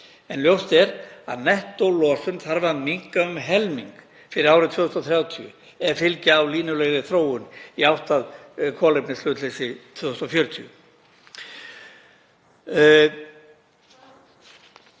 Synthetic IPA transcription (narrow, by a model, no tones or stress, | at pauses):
ɛnljowst̪ɛɾa̰ðnɛht̪owlɔːsʏnθaɾvamiŋkaʏmɦɛlmiŋk | fɪɾɪɾaːwɾɪt̪ʰvʏːðʏst̪ɔθɾjaːwt̪ʰiʏ̰ | ɛɾfɪlcɪawliːnʏlɛɣðɪθɾoːwʏniawht̪að | kʰɔːlejpnɪslʏːt̪lesɪt̪ʰvʏːðʏst̪ɔfjœɾʏt̪ʰiʏ